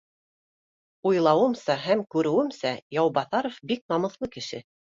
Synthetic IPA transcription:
ujlˠɑwɤ̆msɑɦæmkʉɾɘ̆wɘmsæjɑwbɑθɑɾofbik̚nɑmɤ̆θlˠɤkɘ̆ʃɘ̰

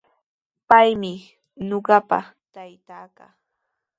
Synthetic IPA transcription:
pajmɪ | noɢɑpa̰ | t̪ajt̪aːkaː

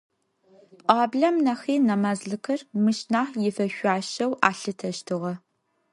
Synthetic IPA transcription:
pʼaːbɮɐmnɐxiːnɐmaːzɮɨkʰɐrmɨʃnaːħjɪfɐʃʷaːʃɐwʔa̰ːɬɨtʰɐʃtʰɨʁɐ

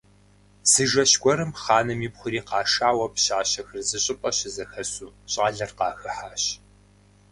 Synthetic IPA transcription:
sɨʒɐɕɡʷɔɾɨmχɑːnɨmjipχʷʊɾiːqɑːʂaːwɐpɕaːɕɐxɨrzɨɕʼɪpʼɐɕɪzɐxɐsuːɕʼɐɮɐrqɑːxɨħaːɕ

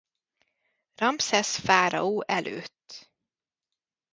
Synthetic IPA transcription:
ɾampsɛsfæːɾa̰uːʔɛlʉ̰t̪

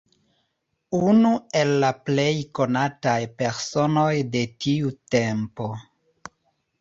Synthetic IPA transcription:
unue̞lːaple̞jko̞natajpe̞ɾso̞no̞jde̞tʰiute̞mpo̞

